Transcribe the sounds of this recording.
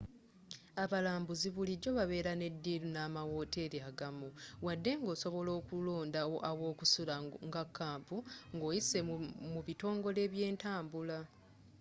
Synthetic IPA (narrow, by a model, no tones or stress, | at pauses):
aβalaːmbuziβuliɟo̞βaβe̞ːɾane̞dːiːlunaːmawo̞ːte̞ːɾiaɡamuwadːe̞ŋɡo̞ːso̞βo̞lo̞ːkulo̞ːndaoʔawo̞ːkusulaŋɡakʰːaːmpuŋɡo̞ːjise̞muβito̞ːŋɡo̞le̞ːβje̞ːntaːmbula